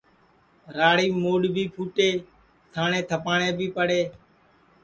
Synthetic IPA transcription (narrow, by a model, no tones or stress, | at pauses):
ɾaːɽiːmoːɖbʱiːpʰuːʈeː | t̪ʰaːɳeːt̪ʰəpaːɳeːbʱiːpəɽeː